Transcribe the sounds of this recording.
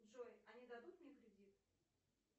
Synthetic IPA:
ʐojɐnʲid̪ɐd̪ut̪̚mnʲekɾʲɪdʲit̪

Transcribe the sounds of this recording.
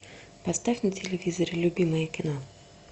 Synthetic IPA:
pɐst̪afʲnətʲɪlʲɪvʲizəɾʲɪlʲʊbʲiməjəkʲɪno

